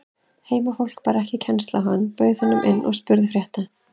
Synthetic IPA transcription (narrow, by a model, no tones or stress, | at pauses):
heːjmafowl̥k̚paːɾɛhcɪcʰɛnst̪lawɦanːpœɥðhɛnːʏmʔɪnːʔɔ̰ɣspʏɾðfɾjɛht̪a